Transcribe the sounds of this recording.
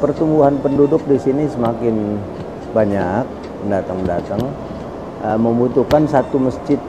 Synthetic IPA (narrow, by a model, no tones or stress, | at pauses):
pərt̪uŋbuɦanpəndudʊk̚disinisəmakɪn | baɲak̚ | əndat̪aŋəndat̪aŋ | əməmbut̪uhkansat̪uməsd͡ʒɪt̪̚